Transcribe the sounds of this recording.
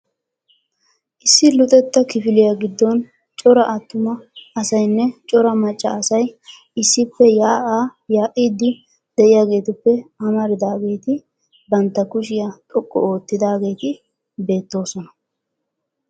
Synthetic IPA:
ʔɪsːɪlʊt̪ʼɛt̪ːɐkɪfɪlɪjaɡɪd̪ːɔn | t͡ʃʼɔɾɐʔɐt̪ːʊmɐɐsɐjnːɛt͡ʃʼɔɾɐmɐt͡ʃʼːɐːsɐj | ɪsːɪpːɛjaːʔaːjaːʔiːd̪ːɪ | d̪̥ɛʔɪjaːɡe̞ːt̪ɪpːɛɐmɐɾɪd̪aːɡe̞ːt̪ɪ | bɐnt̪ːɐkʊʃ̬ɪjat̪ʼɔkʼːɔ̰o̞ːt̪ːɪd̪aːɡe̞ːt̪ɪ | be̞ːt̪ːo̞ːsɔnɐ

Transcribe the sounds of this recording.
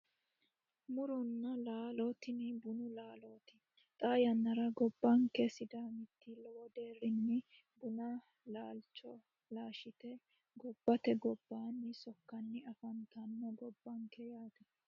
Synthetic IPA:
mʊɾɔnːɐlaːloːt̪ɪnɪbʊnʊlaːloːt̪ɪ̥ | t̪ʼaːjɐnːɐɾɐɡɔbːɐŋkɛsɪd̪aːmɪt̪ːɪlɔwɔd̪e̞ːrːɪnːɪ | bʊnɐ | laːlt͡ʃːɔ | laːʃɪt̪ɛ | ɡɔbːɐt̪ɛɡɔbːaːnːɪsɔkːɐnːɪɐfɐnt̪ɐnːɔɡɔbːɐŋkɛjaːt̪ɛ

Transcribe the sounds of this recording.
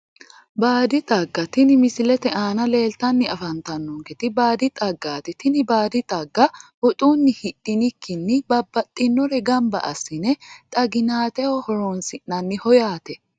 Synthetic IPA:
baːd̪ɪt̪ʼɐɡːɐt̪ɪnɪmɪsɪlɛt̪ɛaːnɐle̞ːlt̪ɐnːɪɐfɐnt̪ɐnːɔŋkɛt̪ɪbaːd̪ɪt̪ʼɐɡːaːt̪ɪt̪ɪnɪbaːd̪ɪt̪ʼɐɡːɐhɔt̪ʼuːnːɪhɪɗːɪnɪkːɪnːɪbɐbːɐt̪ʼːɪnːɔɾɛɡɐmbɐ̰ʔɐ̰sːɪnɛt̪ʼɐɡɪnaːt̪ɛɔhɔɾɔnsɪnnɐnːɪhɔjaːt̪ɛ

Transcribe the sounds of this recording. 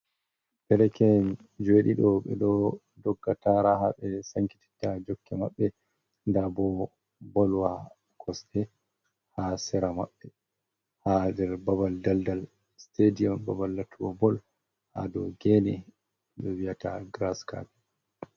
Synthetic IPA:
bɛɾɛkɛn | d͡ʒeɗiɗɔɓɛ̰ɗɔ | dɔɡːataɾaɦaɓɛsaŋki̥ti̥tːad͡ʒɔkːɛma̰ɓːɛ | ndabɔ | bɔlwa | kʰɔstɛ | hasɛɾama̰ɓːɛ | hadɛɾbabaldaldal | stediɔmbabalːatʰuwɔbɔl | ha̰dɔ̰ɡɛnɛ | ɓɛwiata̰ɡɾaska̰bɛ

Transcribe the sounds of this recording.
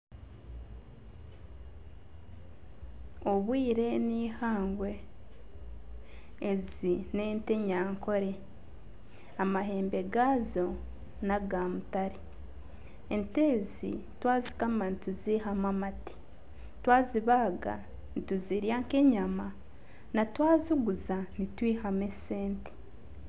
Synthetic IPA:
o̞βwiːɾe̞niːhaːŋɡwe̞ | zine̞ːnte̞ɲaːŋko̞ɾe̞ | amaɦe̞ːmbe̞ɡaːzo̞ | naɡamutaɾi | enteːzḭtwaːzi̥kamanituzihamwamati̥ | twaːziβaːɡa̰ | nituziɾjaːŋke̞ɲama | natwaːzuɡuzanitwiːhame̞se̞ːnti̥

